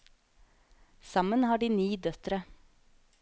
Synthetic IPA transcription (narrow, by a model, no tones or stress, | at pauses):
sɑmənhɑːɖiːniːd̪œt̪ɾə